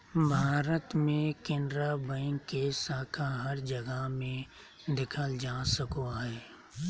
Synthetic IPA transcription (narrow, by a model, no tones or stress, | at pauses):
bʱaːɾət̪mẽkẽːnd̪ɾabə̃ŋkːesaːkʰaɦəɾd͡ʒəɡəmẽ | d̪ɪkʰəld͡ʒaːsəkoɦɛː